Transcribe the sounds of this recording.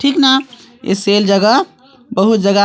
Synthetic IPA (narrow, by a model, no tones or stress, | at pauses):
ʈʰikna | ḛseld͡ʒəɡə | bəɦut̪̚d͡ʒəɡa